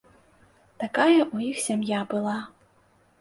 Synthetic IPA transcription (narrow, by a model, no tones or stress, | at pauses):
t̪akajɐʔujixsʲamjabɨlˠa